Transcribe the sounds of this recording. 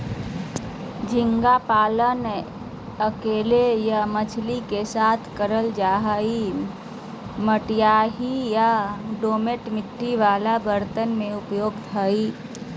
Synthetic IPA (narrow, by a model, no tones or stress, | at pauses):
d͡ʒɪ̃ŋɡapaːlən | əkeːlejamət͡ʃʰlikesaːt̪ʰkəɾəld͡ʒaːɦai | məʈjaːɦijaɖoːmeʈmɪʈːiʋaːlabəɾt̪ənmẽʊpjoːɡt̪ʰai